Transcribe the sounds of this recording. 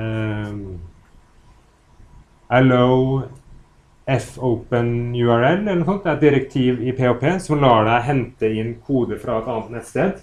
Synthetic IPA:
æləʊ | ɛfəʊpənjʉæɹɛlːɛləɳnɔsɔnt̪d̪æːɾɛt̪̚d̪ɪɾək̚t̪ʰiːʋɪpʰeːopʰeːsɔmlɑːɖæɪɦɛnt̪əɪnkʰuːd̪əfɾɑɛt̪ɑːnt̪nɛt̪ːst̪eːd̪

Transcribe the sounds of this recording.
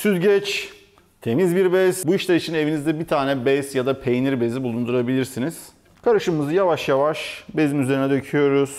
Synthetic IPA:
syd̪ɟɛt͡ʃ | t̪ʰe̞mizbiɾbɛz̥buiʃlʲaɾit͡ʃʰinevinizd̪ɛbit̪ʰaːnɛbɛzjad̪apʰe̞jniɾbe̞zibulˠund̪uɾabilʲiɾsiniz̥ | kʰaɾɯʃɯmɯzɯjavaʃjavaʃbe̞zimyze̞ɾinɛd̪ø̞cʰyjo̞ɾuz̥

